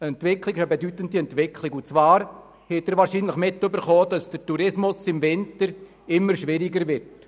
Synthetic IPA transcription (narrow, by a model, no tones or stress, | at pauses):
əɛntvɪkʰlɪɡəbedytəndiɛntvɪkʰlɪkʊt͡svɑːɾ | hɛtəɾʋaːɾʃiːnləχmɪtːʏbəɾχoːd̥ɑsd̥əɾtuɾɪsmʊsɪmvɪntəɾ | ɪmːəɾʃʋɪɾɪɡəɾʋɪt